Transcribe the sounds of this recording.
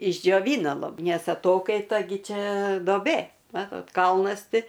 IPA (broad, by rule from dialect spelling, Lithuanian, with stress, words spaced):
ɪʒʲd͡ʒʲoːˈʋʲiːnɐ lˠɐp ˈnʲɛs ɐˈtoːkɐɪtɐ ˈɡʲɪ ˈt͡ʃʲɛ doːˈbʲeː ˈmɑːtoːt ˈkɐlˠnɐs ˈtʲɪ